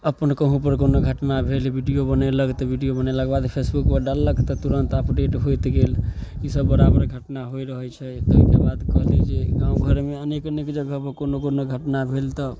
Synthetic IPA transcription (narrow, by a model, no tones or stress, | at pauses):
əpənkəɦũpəɾkonoɡʱəʈnabʱelbʱiɖijobənələkt̪ɔbʱiɖijobəneləɡbad̪pʰesbukpəɖalːəkt̪ɔt̪uɾənt̪əpɖeʈɦojt̪ɡelisəbːəɾabəɾɡʱəʈnaɦojɾəɦɛt͡ʃʰɛt̪əɦikebad̪kəɦled͡ʒeɡãũɡʱəɾmeənekənekd͡ʒəɡəpəɾkonokonoɡʱəʈnabʱelt̪ɔ